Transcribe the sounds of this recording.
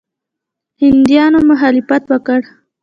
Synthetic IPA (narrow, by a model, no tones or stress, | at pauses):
hɪnd̪jɑnomʊɦɑlɪfat̪wəkəɽ